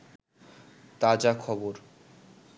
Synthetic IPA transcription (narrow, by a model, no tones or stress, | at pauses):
t̪ad͡ʑakʰɔboɾ